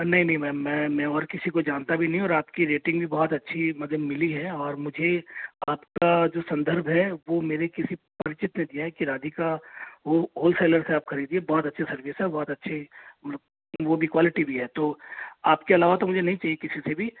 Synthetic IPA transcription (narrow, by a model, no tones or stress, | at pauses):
nɐɦĩnɐɦĩmɛ̃ːmɛ̃ːmɛ̃ɔːɾkɪsikod͡ʒaːnt̪abʱinɐɦĩɔːɾaːpkiɾeːʈɪ̃ŋɡbʱibɔɦɔt̪ɐtːʃʰimɐd̪ʱəbmɪliɦɛɔːɾmʊd͡ʒʱeaːpkad͡ʒoːsɐ̃nd̪əɾbʱɦɛʋomeːɾekɪsipɐɾɪt͡ʃɪt̪ned̪ijaɦɛkiɾaːd̪ʱikaoɦoːlseːləɾseaːpxɐɾiːd̪iebɔːt̪ɐtːʃʰasɐɾʋiːsɦɛbɔːt̪ɐtːʃʰe | ʋobʱikwaːlɪʈibʱiɦɛːt̪oːaːpkeɐlaːʋat̪omʊd͡ʒʱenɐɦĩt͡ʃaːɦiekɪsisebʱi